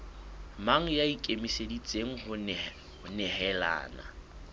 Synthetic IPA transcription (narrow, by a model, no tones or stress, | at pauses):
maŋ̩jaikʼemisedit͡sʼeŋ̩hʊ | nɛhɛla̰ːna̰